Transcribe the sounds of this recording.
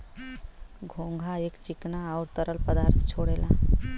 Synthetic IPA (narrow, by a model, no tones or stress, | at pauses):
ɡʱõŋɡʱaekt͡ɕiknaːwɾt̪əɾəlpəd̪aɾt̪ʰt͡ɕʰoɽela